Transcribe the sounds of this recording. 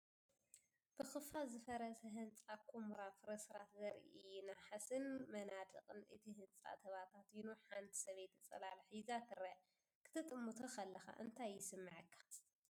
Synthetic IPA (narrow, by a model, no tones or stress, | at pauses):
b̥ɨxɨfazɨfɐɾɐsɐɦɨnt͡sʼakʰomɾafɨɾɐsɨɾat̪zɐɾʔḭɨjunaħasɨnmɐnad̪ɨ̰qʼɨnʔɨ̰t̪ʰihɨnt͡sʼa̰t̪ʰɐβat̪ʰat̪inuħant̪ʰi̥sɐβejt̪ɨt͡sʼɐ̰lalħizakʰɨɾɐ | kʰɨ̥t̪ʰɨt̪ʼɨmːut̪ʰɐxɐlːɐxa̰ʔɨnt̪ʰajːɪsɨmːɨʕɨkʰːḁ